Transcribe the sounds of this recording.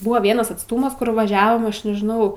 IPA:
ˈbʊʋɐ ˈʋʲiɛnɐs ɐtsˈtuːmɐs ˈkʊr ʋɐˈʒʲæːʋoːm ˈɐʃ nʲɛʒʲɪˈnɐʊ

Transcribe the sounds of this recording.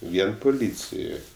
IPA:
ˈʋʲiɛn pʊˈlʲiːt͡sʲɪjoːj

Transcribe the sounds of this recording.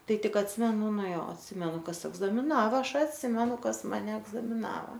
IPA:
ˈtɐɪ ˈtʲɪk ɐtʲˈsʲɪmʲɛnʊ ˈnʊ ˈjoː ɐtʲˈsʲɪmʲɛnʊ ˈkɐs ɛɡzɐmʲɪˈnɑːʋɐ ˈɐʃ ɐtʲˈsʲɪmʲɛnʊ ˈkɐs mɐˈnʲɛ ɛɡzɐmʲɪˈnɑːʋɐ

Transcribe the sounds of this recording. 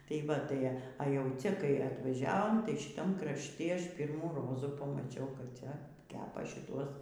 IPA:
tɐɪ ˈʋɐ ˈtɐɪ ɐ jɛʊ ˈt͡sʲɛ kɐɪ ɐtʋɐˈʒʲæːʋoːm tɐɪ ʃʲɪˈtɐm krɐʃʲˈtʲɪ ˈɐʃ ˈpʲiːrmuː ˈroːzuː pɐmɐˈt͡ʃʲɛʊ kɐp ˈt͡sʲɛ ˈkʲæːpɐ ʃʲɪˈtuɔs

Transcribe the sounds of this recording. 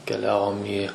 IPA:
kʲɛˈlʲæːʋoːm iː

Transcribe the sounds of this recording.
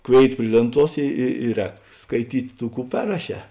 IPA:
ˈkʋʲeːɪt ˈpʲrʲɪ lʲeːnˌtuɔs ɪ ɪ ɪ ˈrʲɛːk skɐɪˈtʲiːtʲ ˈtuː ˈkuː ˈpʲɛrrɐˌʃʲɛː

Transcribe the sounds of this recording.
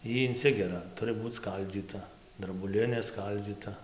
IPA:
ˈiː ɪnʲˈsʲɪɡʲɛrɐ ˈtʊrɨ ˈbuːt͡s ˈskɐlʲd͡zʲiːtɐ drɐbʊˈlʲɪnʲeː ˈskɐlʲd͡zʲiːtɐ

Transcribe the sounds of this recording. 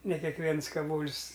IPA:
nʲɛ kʲɛkˈʋʲiɛns kɐˈʋoːlʲsʲ

